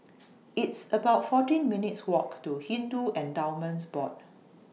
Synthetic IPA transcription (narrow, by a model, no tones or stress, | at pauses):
itsəbaʊtfɔtĩnminitswɔktuhĩnduɛ̃ndãʊmə̃nsbɔd